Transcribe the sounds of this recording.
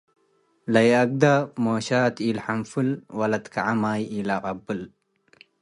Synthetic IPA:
lɐjɐk̚d̪amoːɕaːt̪ilħamfɨlwɐlɐt̪kʰaʕamaːjilaːqʼɐbːɨl

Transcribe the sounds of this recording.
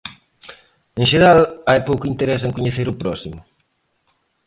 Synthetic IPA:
eŋʃeɾalajpowkʊint̪eɾɛseŋkuɲeθeɾʊpɾɔsimʊ

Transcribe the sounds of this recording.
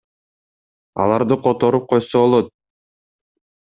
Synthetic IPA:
ɑ̰lˠɑɾd̪ɯqʰot̪o̞ɾup̚qʰo̞jsoβolˠot̪̚

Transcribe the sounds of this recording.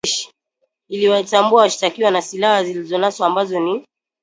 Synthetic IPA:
ʃi̥ | iliwatambuawaʃi̥takiwanasilahazilizɔnaswɔambazɔni

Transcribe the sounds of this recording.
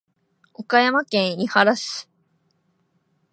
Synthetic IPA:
o̞kajamakẽ̞ɰ̃ihaɾasɨ̥

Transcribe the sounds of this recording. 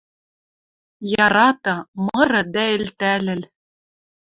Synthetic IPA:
jɑɾɑt̪ɤ̆mɤ̆ɾɤ̆d̪æɘ̆lt̪ælɘ̆l

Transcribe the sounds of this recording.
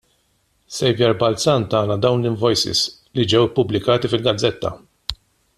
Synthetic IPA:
sɛjvjɛɾbɐlt͡sɐnt̪ɐːnɐd̪ɐwnlɪɱvɔjsɪ̰s | lid͡ʒɛwpːʊblɪkɐːt̪ifɪlɡɐd͡zːɛt̪ːɐ̰

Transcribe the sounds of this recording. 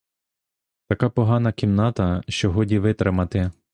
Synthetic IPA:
t̪ɐkɑpɔɦɑnɐkʲimnɑt̪ɐʃt͡ʃɔɦɔdʲiʋɪt̪ɾɪmɐt̪ɪ

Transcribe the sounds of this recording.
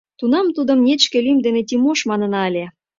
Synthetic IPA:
t̪unɑmt̪ud̪ə̆mnʲet͡ɕkelimd̪enet̪ʲimoʃmɑnə̆nɑəlʲe

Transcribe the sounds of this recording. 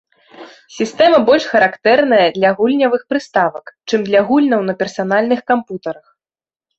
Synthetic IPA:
sʲist̪ɛmɐbɔlʲʂxɐɾakt̪ɛrnɐjɐd̪lʲɐɣulʲnʲɐvɨxpɾɨst̪avɐkt͡ʂɨmd̪lʲɐɣulʲnɐwnɐpʲɛrsan̪alʲnɨxkamput̪ɐɾɐx

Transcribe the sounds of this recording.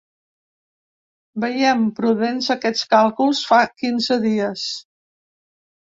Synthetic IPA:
bəjɛmpɾuðenzəkɛt͡skalˠkulˠsfakinzəðiəs

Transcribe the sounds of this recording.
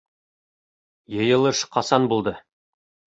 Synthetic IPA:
jɤ̆jɤ̆lˠɤʃqɑsɑnbulˠd̪ɤ

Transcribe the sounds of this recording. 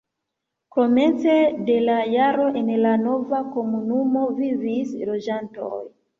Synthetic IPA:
ko̞me̞nt͡se̞de̞lajaɾo̞ʔe̞nlano̞vako̞munumo̞vivislo̞d͡ʒanto̞̰j

